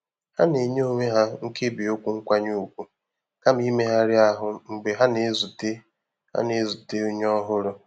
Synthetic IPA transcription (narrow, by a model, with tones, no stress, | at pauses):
ha˦ne˨ɲ˦o˦ɲʷe˦ɦa˦ŋ̩˦ke˦bi˨o˦kʷu˦ŋ̩˦kʷa˦ɲu˦˨kʷu˦ | ka˦m̩˦i˦me˦ɦa˦ɾɪ˦a˦ɦʊ˦ŋ͡m̩˨ɡ͡be˨ɦa˦ne˨˦zu˨te˦ | ha̰˦ne˨˦zu˨te˦o˦ɲ˦ɔ˦ɦʊ˦ɾʊ˦